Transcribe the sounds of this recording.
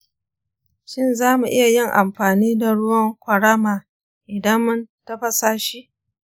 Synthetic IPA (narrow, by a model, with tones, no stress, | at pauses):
ʃɪ˦nzaː˦mu˨ʔɪ˦ja˨jɪ˦˨ŋʔa˨mɸaː˨niː˦da˨ɽʊ˦wɐ˦ŋkʷɐ˨ɽaː˦maː˨ | ʔɪ˨dɐ˦mːʊ˦ntɐ˦ɸɐ˦saː˦ʃi˦ʔ